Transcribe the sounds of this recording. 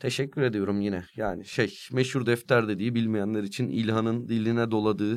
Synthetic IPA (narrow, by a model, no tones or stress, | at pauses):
t̪ʰe̞ʃɛcːyɾe̞d̪ijo̞ɾumjinɛjaːniʃejmeʃhuɾd̪ɛft̪lʲæɾd̪e̞d̪iːbilʲmijænlʲˠaɾit͡ʃʰinḭlʲɦanɯnd̪ilʲinɛd̪o̞lˠad̪ɯː